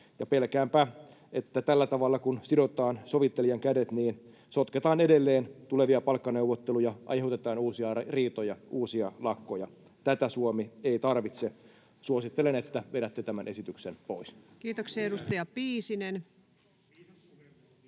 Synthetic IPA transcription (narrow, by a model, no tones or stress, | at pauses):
jɑpelkæːmpæ | ʔet̪ːæt̪ælːæt̪ɑʋɑlːɑkunsido̞t̪ɑːnso̞ʋit̪ːelijɑŋkædet̪niːn | sot̪ket̪ɑːnedelːeːnt̪ule̞ʋiɑpɑlkːɑne̞wʋot̪ːelujɑʔɑ̰jheut̪et̪ɑːnuːsiɑriːt̪ojɑʔuːsiɑlɑkːˑojɑ | t̪æt̪æsuomieit̪ɑrʋit̪se | suosit̪ːelenet̪ːæʋedæt̪ːet̪æmænʔe̞sit̪yksenpoiskiːt̪oksieeɾust̪ɑjɑpiːsinen